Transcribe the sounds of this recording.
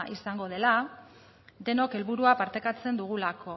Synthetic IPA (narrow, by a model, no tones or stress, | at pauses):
ʔisaŋɡo̞ð̞e̞la | d̪e̞no̞ke̞lβuɾuapaɾt̪e̞kat͡se̞nd̪uɣ̞ulakʰo̞